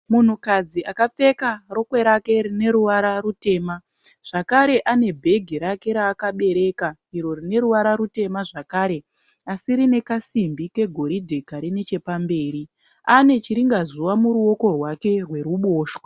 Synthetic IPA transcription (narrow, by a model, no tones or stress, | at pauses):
mun̤ukad͡ziʔakap͡fe̞karo̞kwe̞ɾake̞ɾine̞ɾuʋaɾarute̞ːma | ʐ̥akaɾe̞ʔane̞bʱe̞ɡʱiɾake̞ɾaːkaɓe̞ɾe̞kaiɾo̞rine̞ɾuʋaɾaɾute̞maʐakaːɾe̞ | asiɾine̞kasimbike̞ɡʱo̞ɾidʱe̞kaɾinet͡ʃe̞pambe̞ːɾi | ane̞t͡ʃiɾiŋɡazuwamuɾuo̞ko̞rwake̞rwe̞ɾuɓoːʃwa